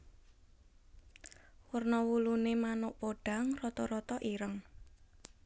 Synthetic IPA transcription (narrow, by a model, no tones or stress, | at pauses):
wərnɔwulunemanʊʔpoɖ̥a̤ŋrɔt̪ɔɾɔt̪ɔʔiɾəŋ